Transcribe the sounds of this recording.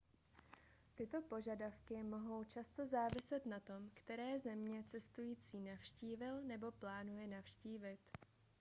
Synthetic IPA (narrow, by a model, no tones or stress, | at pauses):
t̪ɪt̪o̞po̞ʒadafkɪmo̞ɦo̞wt͡ʃast̪o̞zaːvɪsɛt̪nat̪o̞mkt̪ɛɾɛːzɛmɲɛt͡sɛst̪ujiːt͡siːnafʃciːvɪlnɛbo̞plaːnujɛnafʃciːvɪt̪